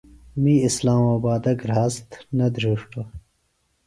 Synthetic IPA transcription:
miislaːmaːbaːd̪ɐɡɾaːst̪nɐd̪ɾuːʂʈo

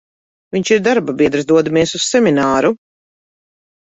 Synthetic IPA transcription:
vʲiɲt͡ʃiɾd̪aɾbabʲiɛd̪ɾsd̪uɔd̪amiɛsussɛminaːɾu

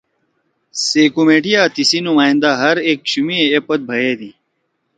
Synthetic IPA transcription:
seːkumeːʈijaːt̪isinumaːĩnd̪aɦɐɾeːk̚ɕumieepɐt̪̚bʱɐɦeːd̪i

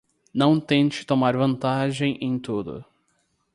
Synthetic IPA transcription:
nɐ̃w̃t̪ẽnt͡ʃɪ̥t̪omaɾvɐ̃nt̪aʒẽj̃ʔẽj̃t̪od̪ʊ̰

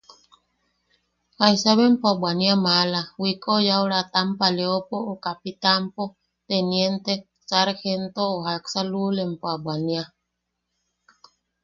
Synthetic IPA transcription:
hajsaβempoaɓwaniamalawikojawɾat̪ampaleopoːkapit̪ampo | t̪enjent̪e | saɾxent̪oohaksalulempoaɓwania

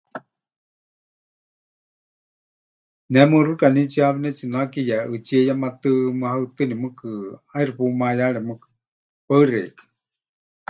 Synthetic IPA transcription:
nɛmɨrukanit͡ʃiaβɛnɛt͡ʃinakijaɨt͡ʃiɛjamat̪ɨmɨhaɨt̪ɨnimɨkɨairipumajaɺɛmɨkɨ̥ | paɨrɛ̰kḁ

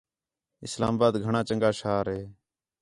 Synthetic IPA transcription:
ɪsla̰ːmːbaːd̪ɡʱəɳãːt͡ʃəŋɡaːʃaːɾɦeː

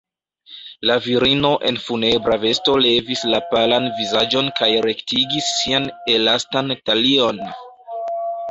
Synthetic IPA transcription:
laviɾino̞ʔe̞̰nfune̞bɾave̞sto̞le̞vislapalanvizad͡ʒonkajɾe̞ktiɡisːianelastantalio̞n

